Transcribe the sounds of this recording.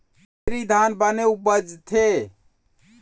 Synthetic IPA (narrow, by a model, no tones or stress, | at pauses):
eɾid̪ʱanbəneubəd͡ʒt̪ʰe